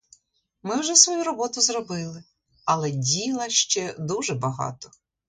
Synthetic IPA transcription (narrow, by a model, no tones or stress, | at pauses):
mɪwʒɛsʋɔjuɾɔbɔt̪ʊzrɔbɪlˠɪ | ɐlˠɛdʲilˠɐʃt͡ʃɛd̪uʒɛbɐɦɑ̰t̪ɔ̥